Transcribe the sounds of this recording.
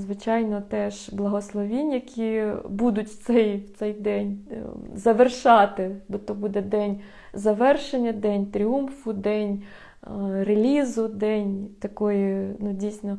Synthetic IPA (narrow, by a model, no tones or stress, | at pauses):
zʋɪt͡ʃɑjnɔt̪ɛʒblˠɐɦɔslˠɔʋʲinʲjɐkʲibud̪ʊtʲw̥t̪sɛjwt̪sɛjd̪ɛnʲzɐʋerʃɑt̪ɪb̪ɔt̪ːɔbud̪ɛd̪ɛnʲ | zɐʋɛrʃenʲːɐd̪ɛnʲt̪ɾʲiumfʊd̪ɛnʲ | relʲizʊd̪ɛnʲt̪ɐkɔjinudʲijsʲnɔ